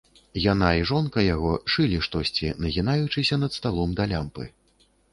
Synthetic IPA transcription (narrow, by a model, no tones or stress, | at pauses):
janaiʐɔnkɐjaɣɔʂɨlʲiʂt̪ɔsʲt͡sʲinɐɣʲinajut͡ʂɨsʲɐnɐt̪st̪alˠɔmd̪ɐlʲampɨ̰